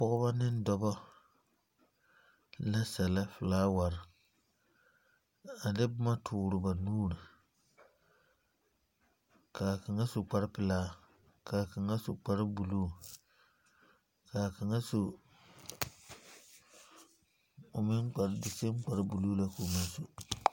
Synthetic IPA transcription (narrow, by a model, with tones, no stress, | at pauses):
pɔ˦ɣʊ˦ba˦nɪ˦n˦dɔ˦bɔ˦ | la˦sɛ˨la˦fɪ˨laː˦wa˨ɾɪ˨ | a˨dɪ˦bʊ˦ma˦tʰʊː˨ɾʊ˨ba˨nuː˦ɾi˨ | kaː˨ka˨ŋa˦sʊ˨k͡pa˨ɾɪ˦pɪ˨laː˦ | kʰaː˨ka˨ŋa˦sʊ˨k͡pa˨ɾɪ˦bu˨luː˦˨ | kʰaː˨ka˨ŋa˦so˨ | ʊ˨mɪ˦nk͡pa˨ɾdɪ˨se˦m˦k͡pa˨ɾɪ˦bu˨lu˦la˦ko˨mɪ˦n˦so˨